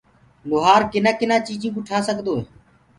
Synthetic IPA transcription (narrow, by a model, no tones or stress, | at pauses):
bʊːɦaːɾkɪnaːkɪnãːt͡ʃiːd͡ʒĩːkʊʈʰaːsəkd̪oːɦeː